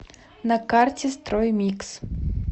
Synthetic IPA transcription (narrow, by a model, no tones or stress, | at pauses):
nɐkart͡sʲɛst̪ɾɔjmʲiks